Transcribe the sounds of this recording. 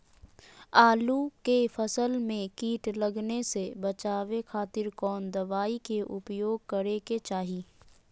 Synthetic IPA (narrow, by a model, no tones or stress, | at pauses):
aːlukefəsəlmẽkiːʈlɐɡnesebɐt͡ʃaːʋekʰaːt̪ɪɾkɔːnd̪ɐʋaːikeʔʊpjoːɡ̚kɐɾeket͡ʃaːɦiː